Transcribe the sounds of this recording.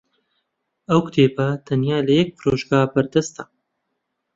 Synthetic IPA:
ɐwkʊ̥t̪ʰeːpɐt̪ʰɐnjaːlɐjɛk̚pʰɨɾoːʒɡaːbɐɾd̪ɐst̪ɐ

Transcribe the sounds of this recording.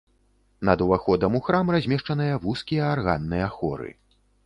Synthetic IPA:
nɐd̪uvaxɔd̪ɐmuxɾamrazʲmʲɛʂt͡ʂɐnɨjɐvuskʲijɐːrɣa̰nːɨjɛaxɔ̰ɾɨ̰

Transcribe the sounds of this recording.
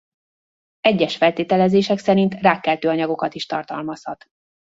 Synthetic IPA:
ɛɟːɛʃfɛlt̪eːt̪ɛlɛzeːʃɛksɛɾint̪raːkːɛlt̪øːɒɲɒɡo̞kɒt̪iʃt̪ɒrt̪ɒlmɒshɒt̪

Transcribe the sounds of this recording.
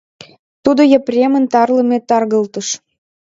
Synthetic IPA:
t̪ud̪ojəprʲemənt̪ɑrlə̆met̪ɑrɣəlt̪ə̆ʃ

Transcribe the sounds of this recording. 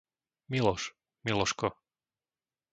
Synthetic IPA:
milɔʃ | milˠɔʃkɔ

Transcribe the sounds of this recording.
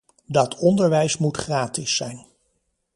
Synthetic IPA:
dɑtʰɔndəɹʋɛjsmutχraːtɪsːɛjn

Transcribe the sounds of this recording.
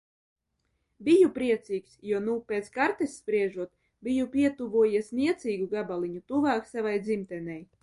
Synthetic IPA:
bijupɾiɛt̪siːksjuɔnupʲeːt̪skaɾt̪esʲːpɾiɛʒuɔt̪ | bʲijupʲiɛt̪uvuɔjiɛsʲniɛt̪siːɡuɡabalˠiɲut̪uvaːksavajd̪zimt̪ɛnɛj

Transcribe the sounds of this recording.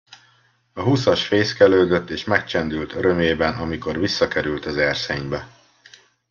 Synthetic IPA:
ɒɦusɒʃfeːskɛløːd̪ø̞t̪ːeːʃmɛk̚t͡ʃɛnd̪ylt̪ʰøɾø̞mjeːbɛnʔɒmiko̞rvisːɒkɛɾylt̪ɒzɛrseːɲbɛ

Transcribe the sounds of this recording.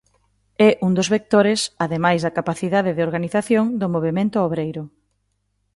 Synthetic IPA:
ɛʔuŋd̪ozβek̚t̪oɾɪsaðemajzðɐkapaθiðaðeðeoɾɣaniθaθjoŋd̪ʊmoβ̞emẽnt̪ʊoβɾejɾʊ

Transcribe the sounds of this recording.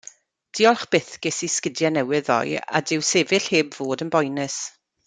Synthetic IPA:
d̥iːɔlˠχb̥ɪθɡ̥ɪsiskədjanɛwɪðɔ̰ja̰dɪwsevɪɬheːbvoːdənbɔjnɨs

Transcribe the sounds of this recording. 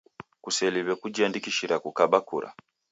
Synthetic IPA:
kuseliβekuɟaːndikiʃiɾakukabakṵɾa̰

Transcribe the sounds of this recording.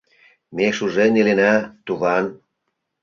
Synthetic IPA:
mekʃuʒenilenæt̪uβɑn

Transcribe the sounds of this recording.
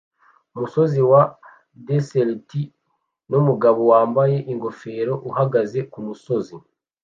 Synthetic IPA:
umuso̞ziwa | deselti | numuɡaβo̞waːmbaje̞ʔiŋɡo̞fe̞ːɾo̞ʔuhaɡaze̞kumuso̞zi

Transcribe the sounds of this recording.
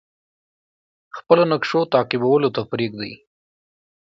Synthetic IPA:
xpəlonakʂot̪ɑqɪbawəlot̪apɾeɡ̚d̪a̰j

